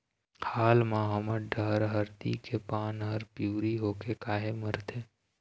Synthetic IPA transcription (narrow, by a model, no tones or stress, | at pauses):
haːlmãɦəməɖəɦɾɦəɾt̪ḭkʰepaːnɦəɾpjuːɾiɦoːkekaːɦeməɾt̪ʰeː